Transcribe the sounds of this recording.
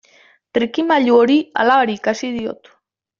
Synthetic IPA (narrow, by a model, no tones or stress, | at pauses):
t̪ɾikimaʎuoɾia̰laaɾiːkasiðio̞̰t̪